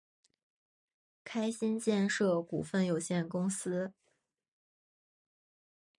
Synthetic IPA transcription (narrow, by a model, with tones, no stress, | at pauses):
kʰa˥ɪɕi˥nt͡ɕjɛ˥˧nʂɤ˥˩kṵ˨˩fə˥˩njo˨˩ʊɕjɛ˥˩nkʊ˥ŋsɹ̩˥